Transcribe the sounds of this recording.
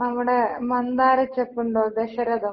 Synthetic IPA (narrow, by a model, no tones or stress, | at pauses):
nɐmːuɽemɐnd̪aːɾɐt͡ɕːepːuɳɖoːd̪eɕɐɾɐðɐ